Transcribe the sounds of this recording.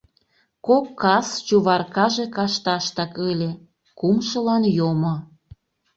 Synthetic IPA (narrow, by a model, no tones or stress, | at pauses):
kokːɑst͡ɕuβɑrkɑʒekɑʃt̪ɑʃt̪ɑkəlʲe | kumʃəlɑnjomo